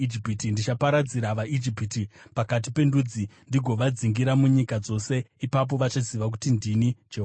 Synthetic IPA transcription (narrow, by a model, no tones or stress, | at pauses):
id͡ʒipitindit͡ʃapaɾad͡ziɾaʋaʔid͡ʒipitipakat̬ipe̞ndud͡zindiɡʱo̞ʋad͡ziŋɡiɾamuɲikad͡zo̞se̞ipap̬o̞ʋat͡ʃaziʋak̬u̥tindinid͡ʒeɦ